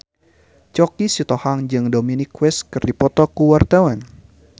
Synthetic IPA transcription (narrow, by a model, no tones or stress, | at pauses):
t͡ʃɔkisit̪ɔhaŋd͡ʒɨŋdominikwɛskɨrdipɔt̪ɔkuwart̪awan